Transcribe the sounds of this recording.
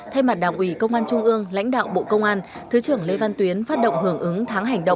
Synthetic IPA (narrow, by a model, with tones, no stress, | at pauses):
t̪ʰa˧jma˨˩t̚ɗaː˧˩ŋʔwi˨˩kə˧wŋ͡mʔaː˧nt͡ɕʊ˧ŋ͡mʔɨ˧əŋla̰˧˥jŋ̟ɗa̰ː˧˨wɓo̰˧˨kə˧wŋ͡mʔaː˧nt̪ʰɨ˨˦t͡ɕɨ˨˧˩əŋle˧va˧nt̪wi˨˦ənfaː˦˥t̚ɗə̰˧˨wŋ͡mɦɨ˨˩əŋʔɨ˨˦ŋt̪ʰaː˨˦ŋɦa˨˩jŋ̟ɗə̰˧˨ŋ͡m